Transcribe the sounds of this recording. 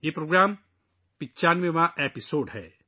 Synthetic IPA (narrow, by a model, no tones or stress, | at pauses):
jeːpɾoːɡɾaːm | pɪt͡ʃaːnʋẽmãʔeːpɪsoːɖɦɛ̰ː